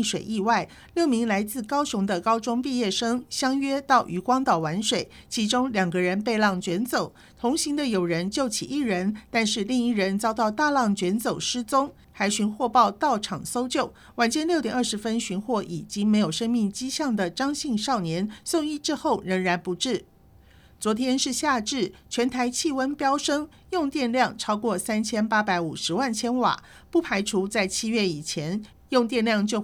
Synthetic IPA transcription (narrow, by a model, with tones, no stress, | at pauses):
ʂwe˨˩ɪʔi˥˧wa˥˩ɪ | ljo˥˩ʊmi˧˥ŋla˧˥ɪt͡sɹ̩˥˩kɑ˥ʊɕʊ˧˥ŋd̪ə˧kɑ˥ʊʈ͡ʂʊ˥ŋpi˥˧jɛ˥˩ʂɤ˥ŋɕjɑ˥ŋɥɛ˥t̪ɑ˥˩ʊʔy˧˥kwɑ˥ŋt̪ɑ˥˩ʊwa˧˥nʂwe˨˩˦ɪ | t͡ɕʰi˧˥ʈ͡ʂʊ˥ŋljɑ˨˩ŋɡə˧˦ɻə˧˥npe˥˧lɑ˥˩ŋt͡ɕɥɛ˧˥nt͡so˨˩˦ʊ | t̪ʰʊ˧˥ŋɕi˧˥ŋd̪ə˧jo˨˩ʊɻə˧˥nt͡ɕjo˥˩ʊt͡ɕʰḭ˨˩ʔi˥˩ɻə˧˥nt̪a˥˧nʂɻ̩˥˧li˥˧ŋi˥˩ɻə˧˥nt͡sɑ˥ʊt̪ɑ˥˧ʊt̪a˥˧lɑ˥˩ŋt͡ɕɥɛ˧˥nt͡so˨˩ʊʂɻ̩˥t͡sʊ˥ŋ | xa˧˥ɪɕy˧˥nxwɔ˥˧pɑ˥˧ʊt̪ɑ˥˩ʊʈ͡ʂʰɑ˨˩ŋso˥ʊt͡ɕjo˥˩ʊ | wa˨˩nt͡ɕjɛ˥˧nljo˥˩ʊjɛ˨˩nə˞˥˩ʂɻ̩˧˥fə˥nɕy˧˥nxwɔ˥˩ʔi˨˩t͡ɕi˥ŋme˧˥ɪjo˨˩ʊʂɤ˥ŋmi˥˩ŋt͡ɕi˥ɕjɑ˥˩ŋd̪ə˨ʈ͡ʂɑ˥ŋɕi˥˧ŋʂɑ˥˩ʊnjɛ˧˥nsʊ˥˧ŋi˥˧ʈ͡ʂɻ̩˥xo˥˩ʊɻə˧˥ŋɻa˧˥npu˧˥ʈ͡ʂɻ̩˥˩ | t͡swɔ˧˥t̪ʰjɛ˥nʂɻ̩˥˧ɕja˥˧ʈ͡ʂɻ̩˥˩t͡ɕʰɥɛ˧˥nt̪ʰa˧˥ɪt͡ɕʰi˥˩wə˥npjɑ˥ʊʂɤ˥ŋ | jʊ˥˧ŋt̪jɛ˥˧nljɑ˥˧ŋʈ͡ʂʰɑ˥ʊkwɔ˥˩sa˥nt͡ɕʰjɛ˥npa˥pa˧˥ɪu˨˩ʂɻ̩˧˥wa˥˩nt͡ɕʰjɛ˥nwa̰˨˩˦ | pu˥˩pʰa˧˥ɪʈ͡ʂʰu˧˥t͡sa˥˩ɪt͡ɕʰi˥ɥɛ˥˩i˨˩t͡ɕʰjɛ˧˥n | jʊ˥˧ŋt̪jɛ˥˧nljɑ˥˩ŋt͡ɕjo˥˧ʊ